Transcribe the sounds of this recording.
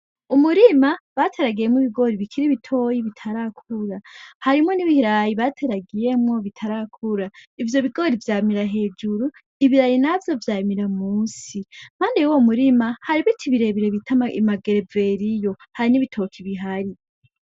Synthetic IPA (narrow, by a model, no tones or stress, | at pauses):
umuɾimaβatʰeɾaɡije̞mwiβiɡo̞ɾiβikʰiɾiβitʰo̞jiβitʰaɾakʰuɾahaɾimŋo̞niβihiɾajiβatʰeɾaɡije̞mŋo̞βitʰaɾakʰuɾaivjo̞βiɡo̞ɾivjaːmiɾaɦe̞ːd͡ʒuɾu | iβiɾajinavjo̞vjaːjimiɾamuːsim̥haːndejuwomuɾimahaɾiβitʰiβiɾe̞βiɾeβitʰamaʔimaɡeɾeve̞ɾijo̞ | haɾiniβitʰo̞kʰiβiɦaɾi